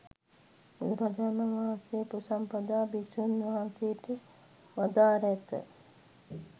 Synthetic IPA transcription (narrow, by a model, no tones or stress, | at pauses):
ḭɾad͡ʒanaʋaːnsepusampəd̪aːbisuniʋãːnseʈi | ʋad̪aːɾɛt̪ə̰